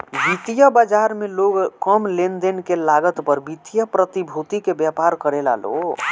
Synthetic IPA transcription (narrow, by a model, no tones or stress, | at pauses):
bit̪ijəbad͡ʒaɾmeloɡkəmlend̪enkelaɡət̪pəɾbit̪ijəpɾət̪ibʱut̪ikebjɛpaɾkəɾela̰lo̰